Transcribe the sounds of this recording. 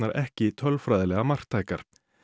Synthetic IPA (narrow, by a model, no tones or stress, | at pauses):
aɾʔɛ̰hcɪt̪ʰœlfɾajðɪlɛɣamar̥kt̪ʰːaːjkaɾ̥